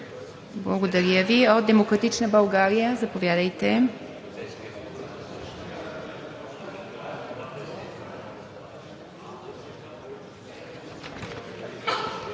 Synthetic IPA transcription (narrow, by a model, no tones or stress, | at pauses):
blˠɐɡod̪ɐɾjəviot̪̚d̪ɛmokɾɐt̪it͡ʃnəbɐlˠɡaɾijəzɐpovjad̪əjt̪ɛ